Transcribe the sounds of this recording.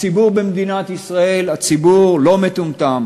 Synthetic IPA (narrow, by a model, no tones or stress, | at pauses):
t͡sibuʁbemd̪inat̪isʁae̞lat͡sibuʁlo̞met̪umt̪am